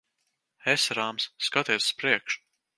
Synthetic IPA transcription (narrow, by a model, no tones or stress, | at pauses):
esɾaːmsːkat̪iɛsspɾiɛkʃ